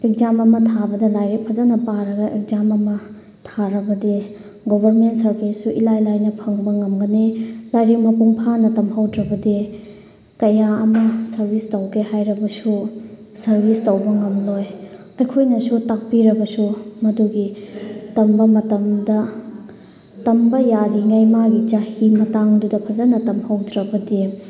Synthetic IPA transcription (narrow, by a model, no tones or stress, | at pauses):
ek̚zamɐmɐtʰabɐdɐlajɾek̚pʰɐzanɐpaɾɐɡɐʔek̚zamɐmɐ | tʰaɾɐbɐde | ɡobʱɐɾmentsɐɾbʱisːuʔilajlajnɐpʰɐŋbɐŋɐmɡɐnelajɾik̚mɐpuŋpʰanɐtɐmɦawdɾɐbɐde | kɐjaɐmɐsɐɾbʱistawkʰehajɾɐbɐsu | sɐɾbʱistawbɐŋɐmloj | ɐjkʰojnɐsutak̚piɾɐbɐsumɐduɡitɐmbɐmɐtɐmdɐ | tɐmbɐjaɾiŋajmaɡit͡ʃahimɐtaŋdudɐpʰɐzɐnɐtɐmhɐwdɾɐbɐde